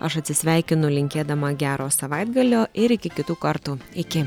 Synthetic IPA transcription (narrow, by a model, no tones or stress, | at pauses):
ɐʃɐt̪ʲsʲɪsʲʋʲæˑɪkʲɪnʊlʲɪŋʲkʲeːd̪ɐmɐɡʲæːɾoːsɐʋɑɪd̪ɡɐlʲoːɪɾɪkʲɪkʲɪt̪uːkɐɾt̪uːɪkʲɪ